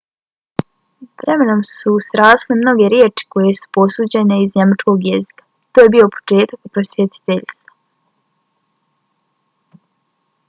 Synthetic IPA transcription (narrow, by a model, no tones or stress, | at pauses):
ʋɾʔeme̞nomsusɾaːslemno̞ɡe̞ɾjeːt͡ʃi̥ko̞je̞su̥po̞suːd͡ʑe̞ne̞izɲemat͡ʃko̞ɡjezikḁ | t̪ojebio̞po̥t͡ʃe̞ːt̪akupɾosvjet̪i̥t̪eʎst̪ʋa